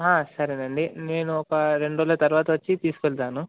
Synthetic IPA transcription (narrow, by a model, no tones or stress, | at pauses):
ɦaːsɐɾenɐɳɖine̞ːnuɔkɐɾe̞ɳɖoːlɐt̪ɐɾuʋaːt̪ɐʋɐt͡ʃːit̪iːsu̥kʋɛɭt̪aːnu